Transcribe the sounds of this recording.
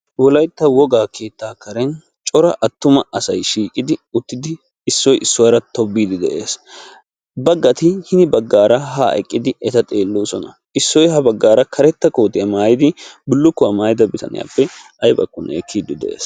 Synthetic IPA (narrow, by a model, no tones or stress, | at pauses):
wɔlɐjt̪ːɐwɔɡaːkʰe̞ːt̪ːaːkɐɾɛn | t͡ʃʼɔɾɐʔɐt̪ːʊmɐɐsɐjʃiːkʼːɪd̪ɪʊt̪ːɪd̪ɪː | sːɔjʔɪsːʊwaɾɐt̪ɔbːiːd̪ɪd̪ɛʔe̞ːs | bɐɡːɐt̪ɪhɪnɪbɐɡːaːɾɐɦɐʔɛ̰kʼːɪd̪ɪɛt̪ɐt̪ʼe̞ːlːoːsɔnɐ | ɪsːɔjhɐbɐɡːaːɾɐkʰɐɾɛt̪ːɐkoːt̪ɪjɐmaːjɪd̪ɪbʊlːʊkːʊwɐmaːjɪd̪ɐbɪt̪ɐ̰nɪ̰ja̰ːpːɛ | ɐjbɐ̰kːʊnɛkʰːiːd̪ːɪd̪ɛ̰ʔḛːs